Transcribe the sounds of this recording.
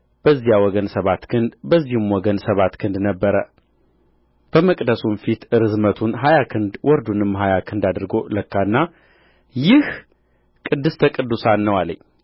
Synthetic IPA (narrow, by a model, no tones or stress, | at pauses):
b̥əzːijawɔɡənsəβat̪kʰɨnd̪bəzːihɨmwɔɡənsəβat̪kʰɨnd̪nəbːəɾə | b̥əməkʼd̪əsunfit̪ɨɾɨzmət̪ʰunɦajakʰɨnd̪wʔɔɾd̪unɨmɦajakʰɨnd̪ad̪ɾɨɡoləkːanːa | jɪh | kʼɨd̪ːɨst̪ʰəkʼɨd̪ːusanːəwalə̰ɲː